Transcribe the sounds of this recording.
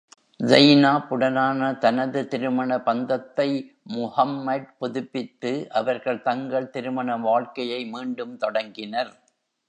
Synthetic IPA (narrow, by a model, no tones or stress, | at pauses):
zɐjnaːpʊɽɐnaːnɐt̪ɐnɐðɯt̪ɪɾɯmɐɳɐpɐnd̪ɐt̪ːɐɪ | mʊhɐmːɐɖ̚pʊðʊpːɪt̪ːɯʔɐʋɐɾɣɐɭt̪ɐŋɡɐɭt̪ɪɾɯmɐɳɐʋaːɭkɐjɐɪmiːɳɖɯmt̪ɔɽɐŋɡɪnɐɾ